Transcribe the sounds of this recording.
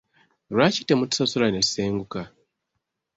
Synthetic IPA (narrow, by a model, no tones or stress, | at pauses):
ɾwaːci̥temutu̥sasulane̥seːŋɡuka